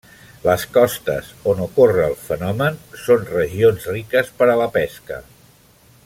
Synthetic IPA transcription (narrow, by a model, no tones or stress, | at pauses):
ləskɔst̪ə̰zonukorəːlˠfənɔmənsonrəʒionzrikəspəɾələpɛskə̰